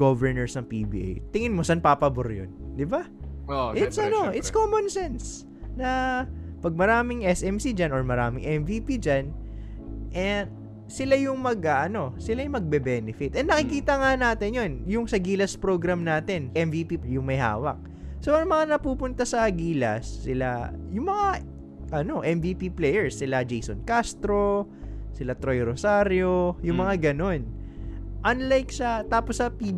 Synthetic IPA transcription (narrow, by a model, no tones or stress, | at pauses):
ɡ̥ovɛɹnɛɹsnɐŋpḭbḭːʔḛjt̪ɪŋɪnmosɐnpaːpɐbʊɾjo̰nd̪ɪba | ʔɪt̪sɐno̞ʔɪt̪skoːmonsɛns | nɐpɐɡ̚mɐɾaːmɪŋʔɛsʔɛmsid͡ʒanoɹmɐɾaːmɪŋʔɛmvipid͡ʒan | ʔɛ | sɪlajʊŋmɐɡɐɐno̞sɪlajmɐɡ̚bɛbɛːnɪfɪt̪ʔɛnːɐkɪkiːt̪ɐŋanaːt̪ɪnjonjʊŋsɐɡiːlɐspɾoɡɾɐmnaːt̪ɛnʔɛmvipijʊŋmɐjha̰ːwɐ̰k̚ | soʔɐŋmɐŋanɐpuːpʊnt̪ɐsɐɡiːlɐ̰sːɪla̰jʊŋmɐŋa | ʔɐno̞ʔɛmviːpiplɛjɛɹsːɪlad͡ʒejso̰nkast̪ɾo̞ | sɪlat̪ɾojɾosaɾjo̞jʊŋmɐŋaɡɐno̞n | ʔɐnlajksɐt̪aːposːɐpi